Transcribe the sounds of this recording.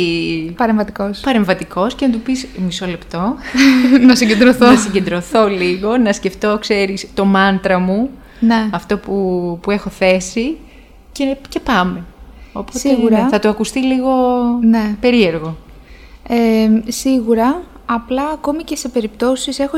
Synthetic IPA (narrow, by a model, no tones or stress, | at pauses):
ipɐɾeɱvɐt̪ikospɐɾe̞ɱvɐt̪iko̞sce̞nɐt̪̬upismisole̞pt̪o̞ | nɐsiɲɟe̞nd̪ɾoθoɐsiɲɟend̪ɾo̞θo̞liɣo̞nɐsce̞ft̪o̞kse̞ɾist̪o̞mɐnt̪ɾɐmu | neɐft̪o̞pupue̞xo̞θe̞si | cece̞pɐme̞opotseɣuɾθɐt̪uɐkust̪iliɣo̞nepe̞ɾie̞ɾɣo̞ | esiɣuɾɐɐplɐːko̞mice̞se̞pe̞ɾipt̪o̞sise̞xo